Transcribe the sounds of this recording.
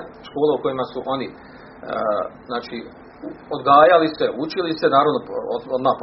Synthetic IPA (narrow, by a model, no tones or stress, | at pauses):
ʃko̞ːleuko̞jimasuʔo̞ni | znaːt͡ʃi | od̪ɡaːjaliseut͡ʃilise̞naːɾaʋnoood̪maːp